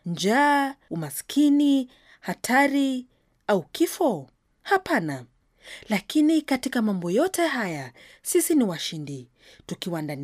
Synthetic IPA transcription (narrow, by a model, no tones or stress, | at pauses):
nd͡ʒaːumaskʰini | hatʰaɾi | aukifɔ | hapana | lakinikatikamambɔjɔtɛɦaja | sisiniwaʃindi | tukiwandan